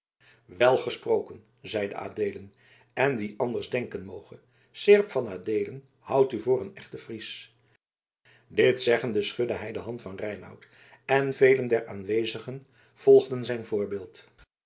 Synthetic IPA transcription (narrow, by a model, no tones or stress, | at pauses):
ʋɛlˠχəsprowkən | zɛjdə̰a̰ːdeːlən | ɛnʋiʔɑndəɹzdɛŋkənmowχə | sɪɹpfɑnaːdejlən | hʌwtyvʊːɾənɛχtəfris | dɪtsɛχəndəsχɵdəɦɛjdəɦɑntfɑnrɛjnɑ̰wt | ɛnvejləndɛɹaːnʋejzəχən | v̥ɔlˠχdənzɛjnvʊːɹbɪːlˠt